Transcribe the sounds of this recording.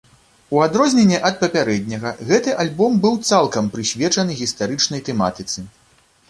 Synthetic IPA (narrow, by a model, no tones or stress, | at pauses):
uad̪ɾɔzʲnʲenʲːɛʔɐt̪̚pɐpʲaɾɛd̪ʲnʲɐɣɐɣɛt̪ɨʔalʲbɔmbɨwt̪salˠkɐmpɾɨsʲvʲɛt͡ʂɐnɨɣʲist̪aɾɨt͡ʂnɐjt̪ɛma̰t̪ɨt̪sɨ